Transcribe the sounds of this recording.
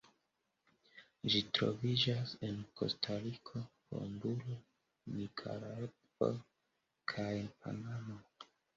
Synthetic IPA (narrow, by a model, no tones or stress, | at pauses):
ʒitɾo̞̰vid͡ʒase̞nko̞̰stʰaɾikʰo̞ho̰mbuɾo | nikʰa̰lae | po̰ | kʰajpa̰namo